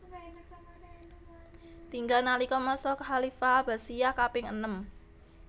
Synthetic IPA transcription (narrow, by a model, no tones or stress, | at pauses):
t̪iŋɡalnalikɔmɔsɔkəɦalifaːb̥a̤sijakapɪŋənəm